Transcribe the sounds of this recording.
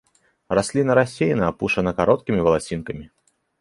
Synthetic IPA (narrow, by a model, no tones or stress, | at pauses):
rasʲlʲinɐɾasʲejnɐapuʂɐnɐkaɾɔt̪̚kʲimʲivɐlˠasʲinkɐmʲi